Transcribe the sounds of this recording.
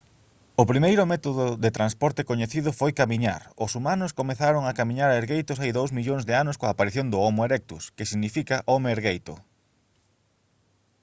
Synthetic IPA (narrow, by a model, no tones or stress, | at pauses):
ʊpɾimejɾʊmɛt̪oðʊðet̪ɾanspɔɾt̪ɪkoɲeθiðʊfojkamiɲa̰ɾʊsumanʊskomeθaɾoŋakamiɲaɾaeɾɣejt̪ʊsajðowsmiʎoŋzðeanʊskoaːpaɾiθjõnd̪ʊɔmʊeɾɛk̚t̪uskɪsiɣnifikaʔɔmeeɾɣejt̪ʊ̰